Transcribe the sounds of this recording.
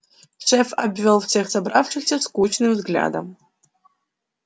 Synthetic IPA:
ʂɛfabvɛlˠfsexsɐbrafʂʰɨxsʲɐskʷut͡ʃʰnɨmzɡlʲa̰ːd̪ɐ̰m

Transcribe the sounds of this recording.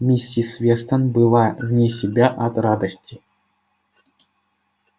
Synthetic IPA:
mʲisʲːisʲvʲest̪ənbɨlˠavnʲesʲɪbʲaʔɐt̪rad̪əsʲtʲi

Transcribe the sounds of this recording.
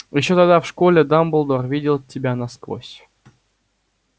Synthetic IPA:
jɪɕːot̪aɡd̪afʂkolʲɪd̪ambɨlˠd̪orvʲidʲɪlˠtʲːɪbʲanasko̰sʲ

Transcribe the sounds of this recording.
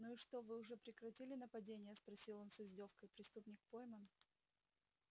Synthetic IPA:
nuɪʂt̪o̞vɨʊʐɛpɾʲɪkɾɐtʲilʲɪnəpɐdʲenʲɪjəspɾɐsʲilˠo̞nsɨzʲdʲofkəjpɾʲɪst̪upnʲɪkpojmən

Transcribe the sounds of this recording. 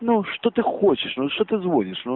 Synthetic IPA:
nɔʂt̪ɔt̪ɨxwɔt͡ɕiʂnɔʂɔt̪ɨzwɔd͡ʑiʂnɔ

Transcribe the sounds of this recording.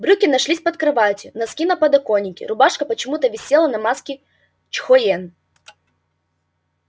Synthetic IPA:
bɾʲukʲɪnɐʂlʲisʲpɐt̪kɾɨvatʲɪnɐskʲinɐpɐd̪ɐkonʲːɪkʲɪ̰ɾʊbaʂkɐpət͡ɕɪmut̪əvʲɪsʲelˠɐnɐmaskʲɪ | t͡ɕxoɛn

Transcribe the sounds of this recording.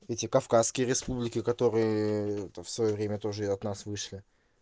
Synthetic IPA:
ɛtʲɪkɐfkasːkʲɪjəɾʲɪspublʲɪkʲɪkɐt̪o̞ɾɨjə | fsvɐjovɾʲemʲət̪o̞ʐɨɐt̪nasvɨʂlʲɪ

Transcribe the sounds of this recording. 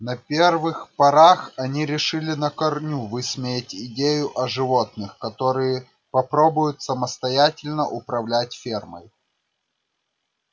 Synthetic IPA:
nɐpʲervɨxpɐɾaxɐnʲiɾʲɪʂɨlʲɪnəkɐrnʲuvɨsmʲejɪtʲɪdʲejʊʔɐʐɨvo̞t̪nɨxkɐt̪oɾɨjə | pɐpɾo̞bʊjʊt̪səməst̪ɐjætʲɪlʲnəʔʊpɾɐvlʲæt̚ʲfʲermə̰j

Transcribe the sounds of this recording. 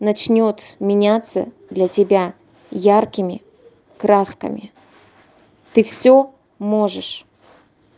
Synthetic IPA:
nɐt͡ɕnʲo̞t̪mʲɪnʲat̪sə̰ | d̪lʲɐtʲɪbʲa | jarkʲɪmʲɪ | kɾaskə̰mʲɪ̰ | t̪ɨfsʲɵ | mo̞ʐɨʂ

